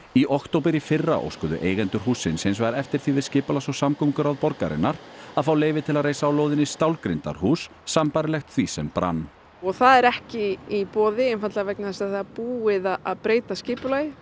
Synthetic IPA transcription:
iʔɔhkt̪owpɪɾifɪrːa̰ʔo̰wskʏðʏ̰ʔeːjɣɛnt̪ʏɾ̥ɦuːsːɪnsɪnsvaɾɛft̪ɪɾ̥θivɪðscɪːpʏlasɔwsamkʰɔwmkʏɾaðpɔɾkaɾɪ̰nːaɾaðfaːwleːjvɪt̪ʰɪlaðreːjsaawloːwðɪnːɪst̪awlkɾɪnt̪a̰ɾ̥huːsːampajɾɪlɛxt̪θvisɛmpɾa̰nː | ɔɣθaðɛɾɛhcɪipɔːðɪɛnfat̪lavɛk̚naɛst̪aθaapuːɪðaaðpɾeːjt̪ascɪːpʏlajɪ

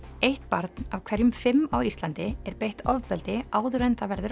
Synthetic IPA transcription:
ejht̪paɾt̪navkʰvɛɾjʏmfɪmːawist̪lant̪ɪɛɾpejht̪ɔvpɛlt̪ɪaːwðɾent̪avɛɾðʏɾ

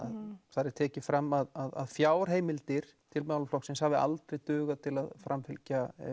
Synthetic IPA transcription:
a̰ðθaɾɪɾ̥t̪ʰɛːcɪfɾamːaðaða̰ðfjaːwɾ̥ɦeːjmɪlt̪ɪɾ̥t̪ʰɪlmawlflɔksɪnshavɪʔa̰lt̪ɾejt̪ʏːɣat̪ʰɪlaðfɾʔamfɪlca

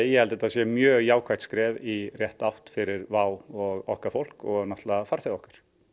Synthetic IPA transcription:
jɛhɛlt̪ɛt̪aðsjɛmjœːɣjaːwkʰvajt̪skɾɛːvirjɛht̪awht̪fɪɾɪɾvaːwɔɣɔhkafowl̥kɔɣnaht̪lafaɾ̥θeðɔhkḁɾ̥

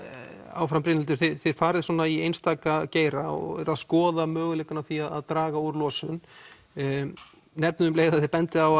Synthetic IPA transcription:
a̰ːwfɾampɾɪːnɪlt̪ʏɾ̥θɪðθɪðfaːɾɪðsɔːnaiejnst̪aːkaceːjɾaɔ̰ɣɛ̰ɾaðskɔːðamœːɣʏlejkʏnawθiaða̰ðt̪ɾaːɣauɾlɔːsʏn | nɛt̪̚nʏðʏmleːjɣðaθɪɾpɛnt̪ɪaw

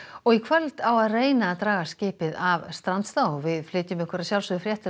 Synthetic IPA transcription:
ɔɣikʰvœlt̪awaðreːjnat̪ɾaːɣascɪːpɪðavst̪ɾant̪st̪aːwvɪðflɪːt̪ʏmʏhkʏɾasjawlsʏðʏfɾjɛht̪

